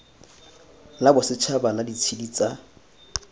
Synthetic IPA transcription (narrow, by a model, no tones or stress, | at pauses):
labʊsɪt͡ʃʰabaladit͡sʰidit͡sa